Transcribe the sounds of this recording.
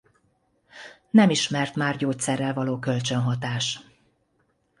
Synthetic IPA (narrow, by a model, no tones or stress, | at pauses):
nɛmiʃmɛrt̪maːrɟoːt̪sɛrːɛlvɒloːkø̞lt͡ʃø̞nɦɒt̪aːʃ